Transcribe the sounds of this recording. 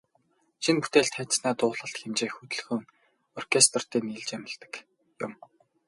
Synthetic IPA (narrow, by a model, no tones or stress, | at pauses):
ʃinput̪eːɮt̪χæt̪snaːt̪ʊːɮə̆ɬt̪xemt͡ɕeːxut̪ɵ̆ɮxɵːŋ | ɔrkʰest̪r̥t̪iːniːɮt͡ɕæmə̆ɮt̪ə̥̆k | jʊm